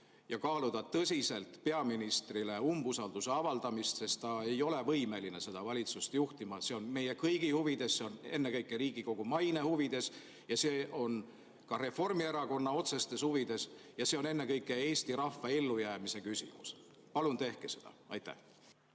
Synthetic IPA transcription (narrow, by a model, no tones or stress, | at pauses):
jɑkɑːlud̪ɑt̪ːɤsʲise̞lt̪pe̞ɑminist̪rile̞umbusɑld̪use̞ɑvɑld̪̥ɑmist̪se̞st̪t̪ɑe̞jo̞le̞vɤjme̞line̞se̞d̪̥ɑvɑlʲit̪sust̪juht̪imɑse̞o̞nme̞jekɤjɡ̥ihuvid̪̥e̞sse̞o̞ne̞nːekɤjkːˑeɾiːɡ̥iko̞ɡ̥umɑjne̞huvid̪̥e̞s | jɑseːʔo̞n | kɑɾe̞fo̞rmie̞ɾɑko̞nːɑo̞t̪se̞st̪e̞shuvid̪̥e̞sjɑse̞o̞ne̞nːe̞kɤjkːˑee̞ːst̪iɾɑfːɑelːujæːmise̞kysʲḭmṵs | pɑlunt̪e̞hke̞se̞̥d̪ɑ̰ɑ̰jt̪ːæ̰h